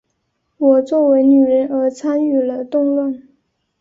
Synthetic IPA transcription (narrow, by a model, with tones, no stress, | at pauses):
wɔ˨˩t͡swɔ˥˩we˧˥ɪny˨˩ɻə˧˥nə˧˥t͡sʰa˥ny˥˩lə˧˦t̪ʊ˥˧ŋlwə˥˩n